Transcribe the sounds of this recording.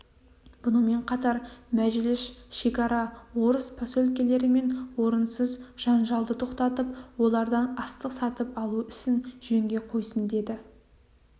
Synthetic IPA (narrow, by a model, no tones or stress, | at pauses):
b̥ʊnəme̞ɴqʰɑt̪ɑɾmæʒɪlɪsʃe̞kʲɑɾɑwo̞ɾəspʰasɵlkʲe̞le̞ɾɪme̞nwo̞ɾənsəzʒ̥ɑnʒɑlˠd̪ət̪ʰo̞qt̪ɑt̪əp̚wo̞lˠɑɾd̪ɑnɑst̪əqsɑt̪əpɑlˠuʏsɪnʒeŋɡʲe̞qʰo̞jsənd̪e̞d̪ɪ